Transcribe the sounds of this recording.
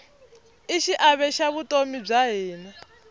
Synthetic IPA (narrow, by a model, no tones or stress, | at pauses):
iʃiʔaβɛʃaβutʼomib͡ʐaɦiːnɛ